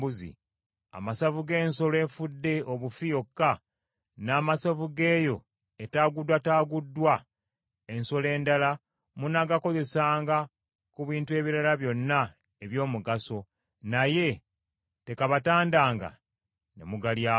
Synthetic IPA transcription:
buzḭ | a̰masavuɡe̞ːnso̞le̞ːɱfudːe̞ʔoβufijo̞kːa | naːmasavuɡe̞ːjo̞ | etaːɡudwataːɡudːwa | e̞nso̞le̞ːndala | munaɡako̞ze̞saːŋɡa | kuβiːntue̞ːβiɾalaβjo̞nːa | eβjo̞ːmuɡaso̞ | naje̞ | te̞kaβataːndaːŋɡa̰ | nḛmuɡalja

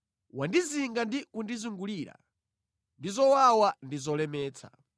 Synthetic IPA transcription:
wandiziŋɡandikundizuŋɡuliːɾa̰ | ndizɔwawandizɔlɛmɛːt͡sʰa̰

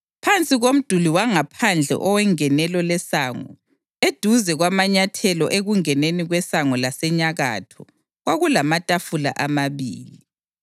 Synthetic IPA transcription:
pʰant͡sʼiɣom̩d̥ʱuliwaŋapʰand͡ɮʱɛ̰ʔɔwɛŋɛnɛlɔlɛsaːŋɔ̰ | ed̥ʱuzɛɣwamaɲatʰɛlɔʔeɣuŋɛneniɣwɛsaŋɔlasɛɲaɣa̰tʰɔ | ɣwaɣulamatʼafula̰ʔamaβiːli

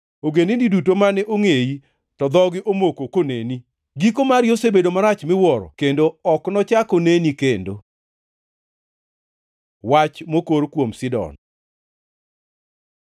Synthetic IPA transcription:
oɡenindidutomanɛʔoŋeji | tɔd̪ɔɡɪʔomokokoneni | ɡikomaɾjosebedomaɾat͡ʃmɪwɔɾɔ̰kendoɔknɔt͡ʃakonenikendo | wat͡ʃmokoɾkwomsɪdɔ̰n

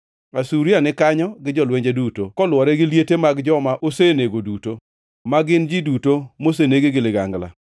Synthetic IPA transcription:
asuɾianɪkaɲɔɡɪd͡ʒɔlweɲd͡ʒedutokɔlwɔɾɛɡɪljetemaɡd͡ʒɔmaʔoseneɡoduto | maɡɪnd͡ʒidutomos̬eneɡeɡɪlɪɡaŋɡla̰

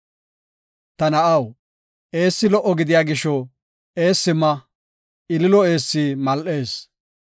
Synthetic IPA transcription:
t̪ɐnɐʔɐw | e̞ːsːɪlɔʔɔɡɪd̪ɪjaːɡɪʃɔ | e̞ːsːɪmːɐ | ɪlɪlɔe̞ːsːimɐlʔe̞ːs

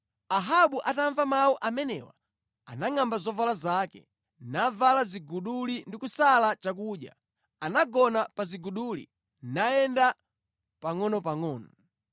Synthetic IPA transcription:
aɦaɓuʔataɱvamawuʔamɛnɛ̰wa̰ | a̰naŋambazɔvalazakɛ̰ | navalaziɡuɗulindikusalat͡ʃak̬uɗja̰ | anaɡɔnapaziɡuɗulḭ | najɛnda | paŋɔnɔpaŋɔːnɔ

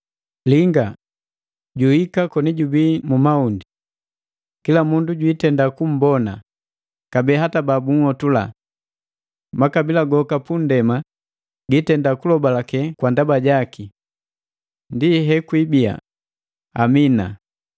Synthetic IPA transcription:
liŋɡa | ɟuhikakɔniɟubimumaundi | kilamunduɟwitɛndakum̩bɔna̰ | kabɛːɦatababuŋ̩hɔtula̰ | makabilaɡɔkapundɛma | ɡitɛndakulɔbalakɛkwandabaɟaki | ndiɦɛkwibia̰ | amina̰

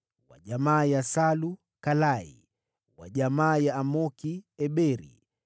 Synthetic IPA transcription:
wa̰ʄamaːjasalu | kalaḭ | wa̰ʄamaːjaːmɔkiɛɓɛɾḭ

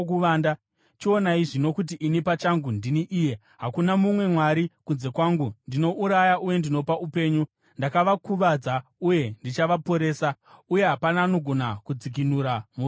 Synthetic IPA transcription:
kuʋaːnda | t͡ʃio̞naiʐino̞kut̬iʔinipat͡ʃaŋɡundiniʔiːje̞ | ɦakunamumwe̞mwaɾikunze̞kwaːŋɡundino̞ʔuɾajaʔuje̞ndino̞paupe̞ːɲu | ndakaʋakuʋad͡zauje̞ndit͡ʃaʋapo̞ɾe̞ːsa | uje̞ɦapanaːno̞ɡʱo̞nakud͡zik̬inuɾamu

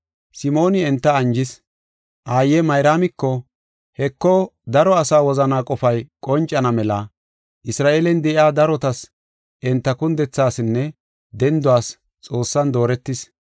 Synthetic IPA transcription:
sɪmo̞ːnɪɛnt̪ːɐɐnd͡ʒɪs | ʔaːjːɛmɐjɾaːmɪkːɔ | hɛkːɔd̪ɐɾɔɐsaːwɔzɐnaːkʼɔfɐjkʼɔnt͡ʃʼːɐnɐmɛlɐ | ʔɪsɾaːʔeːlɛnd̪ɛʔɪjaːd̪ɐɾɔt̪ɐs | ʔɛnt̪ːɐkʊnd̪ɛt͡sːaːsɪnːɛ | d̪ɛnd̪ʊwaːs | t͡sʼo̞ːsːɐnd̪o̞ːɾɛt̪ːɪs

